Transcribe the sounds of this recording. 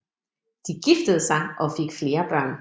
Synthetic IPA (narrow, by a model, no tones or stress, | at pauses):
d̥iɡ̥ifd̥əð̞̩ˠsɑ̈ɪʔɒ̽fe̝ɡ̥fle̝ːɐb̥ɶɐ̰n